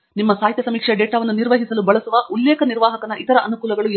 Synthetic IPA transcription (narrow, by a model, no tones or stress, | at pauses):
nimːɐsaːɦit̪jɐsɐmiːkʂeɖeːʈaːʋɐnːuniɾʋɐɦisɐlubɐɭɐsuʋɐʔulːɛːkɐniɾʋaːɦɐkɐnɐʔit̪ɐɾɐʔɐnukuːlɐɡɐɭu